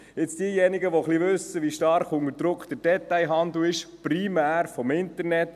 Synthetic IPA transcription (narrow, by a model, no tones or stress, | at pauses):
ɪt͡sd̥iəjɛniɡəʋoχliʋʉsːəʋiːʃtɑɾχʊŋəɾd̥ɾʊkχd̥̪əɾd̥ɛt̪ːajɦɑnd̪l̩ɪʃprimæːɾfɔmɪntəɾnɛt